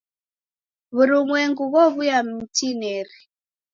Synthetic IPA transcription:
βuɾumwɛŋɡuβɔβujam̩tinɛɾi

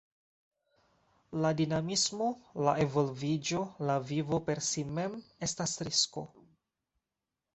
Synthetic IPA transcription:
ladinamismo̞laevo̞lvid͡ʒo̞lavivo̞pe̞ɾsime̞me̞stasɾisko̞

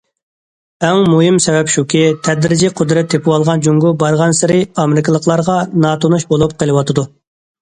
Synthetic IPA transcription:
ɛŋmuɦɪmsɛwɛpʃukʲit̪ʰɛd̪ɾɪd͡ʒiqʰod̪ɾɛt̪ʰːepʰɪwɑlˠʁɑnd͡ʒuŋɡubɑɾʁɑnsɪɾɪɑmɪɾɪkɪlˠəqlˠɑɾʁɑnɑt̪ʰonuʃbolˠup̚qʰəlˠɨwɑt̪ʰɨd̪u

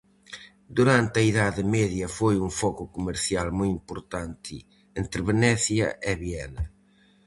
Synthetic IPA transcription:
d̪uɾant̪ɐiðaðemɛðjɐfojuɱfɔkukumeɾθjalmujimpuɾt̪ant̪ʰɪ̰ | ent̪ɾeβenɛθjɐʔeβjɛnɐ

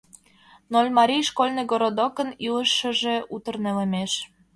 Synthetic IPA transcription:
nolʲmɑɾʲijʃkolʲneɡoɾod̪okənilə̆ʃːə̆ʒe̽ut̪ə̆rnelemeʃ

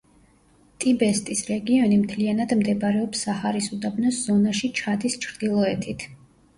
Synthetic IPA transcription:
t̪ʼibɛst̪ʼisɾɛɡiɔnimt̪ʰlianad̪md̪ɛbɾɛɔpsːahaɾisud̪abnɔsz̥ɔnaʃit͡ʃʰad̪ist͡ʃʰɾd̪ilˠɔɛt̪ʰit̪ʰ

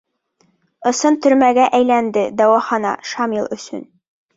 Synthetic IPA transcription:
ɤ̆sɤnt̪ɵ̆ɾmæɡæʔæjlænd̪ɘd̪ɒwɑχɑnɑ̰ʃɑmilˠɵ̆sɵ̰n

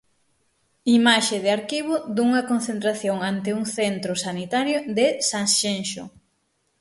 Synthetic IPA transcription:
imaʃɪðɪaɾkiβ̞ʊd̪uŋɐkon̟θent̪ɾaθjoŋant̪ɪuŋθent̪ɾʊsanit̪aɾjoðɪsaŋʃenʃʊ̰

